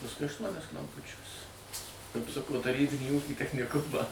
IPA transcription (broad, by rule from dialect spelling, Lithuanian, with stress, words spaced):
pɐsˈkʊɪ ɐʃˈtuɔnʲɛs klˠɐmˈpʊt͡ʃʲuɔs kɐpˈsʊkoː tɐˈrʲiːbʲɪnʲiː ˈuːkʲiː tʲɛxʲnʲɪˈkʊmɑː